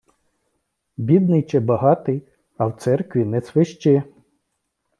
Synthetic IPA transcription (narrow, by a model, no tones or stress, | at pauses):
bʲid̪nɪjt͡ʃɪbɐɦɑt̪ɪj | ɐwt̪sɛrkʋʲinɛsʋɪʃt͡ʃɪ